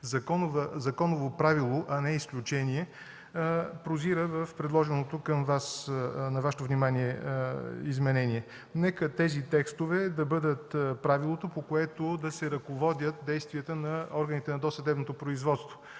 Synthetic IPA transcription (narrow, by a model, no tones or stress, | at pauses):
zɐkɔnovəzɐkɔnovopɾavilˠoʔɐnɛisklʲut͡ʃɛniɛ | pɾoziɾəvəfpɾɛd̪lˠɔʒɛnot̪okəmvasnɐvaʃɛt̪ovnimaniɛ | izmɛnɛniɛ | nɛkət̪ɛzit̪ɛkst̪ovɛd̪ɐbɤd̪ət̪pɾavilˠot̪opokoɛt̪od̪ɐsɛɾɐkovɔd̪ʲjət̪̚d̪ɛjst̪viət̪ənɐɔɾɡənit̪ɛnɐd̪ɔsɐd̪ɛbnot̪opɾoizvɔt̪st̪vo